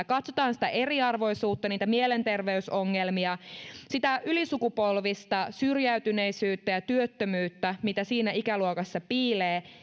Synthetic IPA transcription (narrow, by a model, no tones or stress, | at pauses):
kɑt̪sot̪ɑːnsi̥t̪æʔe̞riɑrʋo̞jsuːt̪ːɑniːt̪æmielent̪e̞rʋe̞ysoŋːelmiɑsit̪æʔylisukupo̞lʋist̪ɑsyrjæyt̪yneisyːt̪ːæjɑt̪yøt̪ːømyːt̪ːæmit̪æsiːnæikæluokɑsːɑpiːleː